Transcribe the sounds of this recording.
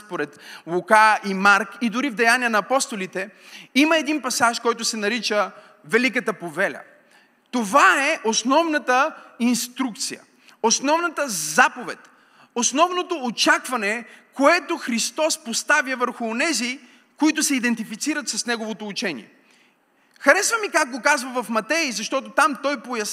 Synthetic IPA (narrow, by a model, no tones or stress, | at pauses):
poɾɛt̪lˠukaimaɾkid̪ʊɾivd̪ɛjanʲiənɐːpɔst̪olit̪ɛiməɛd̪inpɐsaʃkɔjt̪ʊsɛnɐɾit͡ʃə | vɛlik̬ət̪əpovɛlʲɐ̰ | t̪ovaɛʔosnɔvnət̪əinst̪ɾuk̚t̪sijə̰ | osnɔvnət̪əzapovɛ̰t̪ | osnɔvnot̪oːt͡ʃakvɐnɛkoɛt̪oxɾist̪ɔspost̪avjəvəɾxʊːnɛzi | koit̪ʊsɛid̪ɛnt̪ifit̪siɾət̪sɐsnɛɡovot̪oːt͡ʃɛnʲḭɛ̰ | xɐɾɛsvəmikak̚ɡokazvɐvɐfmɐt̪ɛizɐʃt̪ɔt̪ot̪amt̪ɔjpojɐs